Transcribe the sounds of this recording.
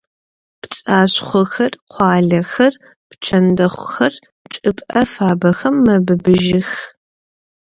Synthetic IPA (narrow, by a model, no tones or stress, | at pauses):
pt͡sʼaːɕχʷʊxɐrqʷɑːɮɐxɐr | pt͡ʃʰɐndɐχʷʊxɐr | t͡ʃʼɨpʼʔɐfaːbɐxɐmːɐbɨbɨʒɪx